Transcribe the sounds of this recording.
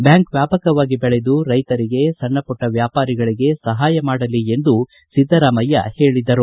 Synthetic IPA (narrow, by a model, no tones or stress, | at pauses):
bjaːŋkʋjaːpɐkɐʋaːɡibɛɭe̞d̪uɾɐjt̪ɐɾiɡe̞sɐɳːɐpɔʈːɐʋjaːpaːɾiɡɐɭiɡe̞sɐɦaːjɐmaːɽɐlːie̞nd̪u | sid̪ːɐɾaːmɐjːɐ̰he̞ːɭid̪ɐɾu